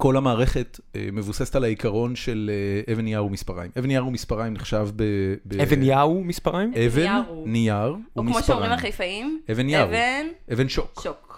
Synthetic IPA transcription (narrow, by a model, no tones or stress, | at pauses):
ko̞lhamaːʁeχe̞t | ḛmevusesetalaikaʁo̞nʃeleʔevenjaumispaʁa̰jmevenijaʁumispaʁajimniχʃavbebeevenjaumispaʁajmevennijaʁumkimsoʃoʁimalχejfaimevenjaʁnʔevenʃokok